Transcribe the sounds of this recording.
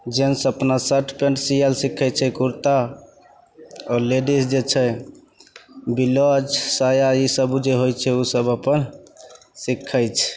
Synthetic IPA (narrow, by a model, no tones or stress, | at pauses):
d͡ʒensəpnasəʈʰpẽɳʈsijəlsikʰːɛt͡ʃʰɛkuɾt̪a | ɔleɖisd͡ʒet͡ʃʰɛ | bilɔd͡ʒsajaisəbud͡ʒeɦojt͡ʃʰɛusəbəpən | sikʰːəjt͡ʃʰ